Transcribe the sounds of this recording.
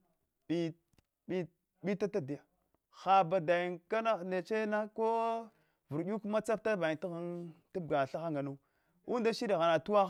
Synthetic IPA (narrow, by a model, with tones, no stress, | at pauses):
ɓi˨ | ɓi˦ | ɓi˦ta˦ta˦di˨ja˨ | xa˨ba˨da˨ji˨nka˦na˦ne˨t͡ʃe˦na˦ko˦ | vu˨ɾɗu˦kma˦t͡sa˦pta˦ba˨ti˦ɣa˦nta˦b̚ɡa˨ɬa˦xa˦ŋɡa˨nu˦ | u˦n˦da˦ʃi˦ɗi˨ɣa˨na˨tu˦a˦